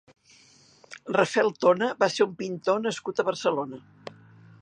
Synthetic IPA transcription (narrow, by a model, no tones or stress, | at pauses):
rəfɛlˠt̪onəβaseumpint̪onəskut̪əβərsəlonə